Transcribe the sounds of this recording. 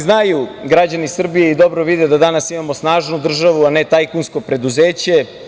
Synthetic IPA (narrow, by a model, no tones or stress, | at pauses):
znajuɡɾad͡ʑanisr̩bijeid̪o̞bɾoʋid̪ed̪ad̪anasimamo̞snaːʒnud̪r̩ʒaʋuanet̪ajkunsko̞pɾe̞d̪uzeːt͡ɕe̞